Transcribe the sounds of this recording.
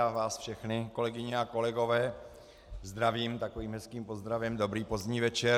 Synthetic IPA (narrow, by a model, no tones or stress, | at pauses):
avaːsfʃɛxnɪko̞lɛɡɪɲɛako̞lɛɡo̞vɛː | zd̪ɾaviːmt̪akoviːmɦɛskiːmpozd̪ɾavɛmdo̞bɾiːpo̞zɲiːvɛt͡ʃɛ